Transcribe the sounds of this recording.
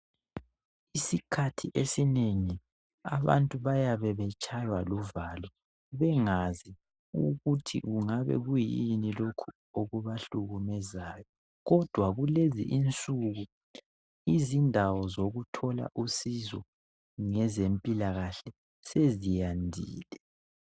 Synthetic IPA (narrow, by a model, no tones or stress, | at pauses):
isikʰatʰiʔesineŋi | a̰βa̰ntʼuβajaβɛβɛt͡ʃʼajwaluvaːlɔ | βɛŋazi | uɣutʰḭɣuŋaβɛ̰ɣujinilokʰu | oɣuβaɬuɣumɛzajɔ | ɣɔd̥ʱwaɣulezḭʔint͡sʼuɣu | izindʱawɔzoɣutʰɔla̰ʔusizɔ̰ | ŋɛzempʼilaɣaɬɛ | sezijandʱḭːlɛ